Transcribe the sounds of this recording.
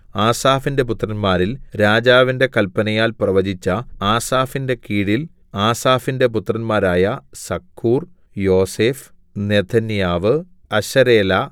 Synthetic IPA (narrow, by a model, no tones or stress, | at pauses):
aːsaːfinde̞put̪rɐnmaːɾilɾaːd͡ʑaːʋinde̞kɐlpɐnɐjaːlprɐʋɐd͡ʑit͡ɕːɐaːsaːfinde̞kiːɽil | aːsaːfinde̞put̪rɐnmaːɾaːjɐsɐkʰːuːr | jo̞ːseːf | ne̞t̪ʰɐnjaːʋɨ | ɐɕɐɾeːlɐ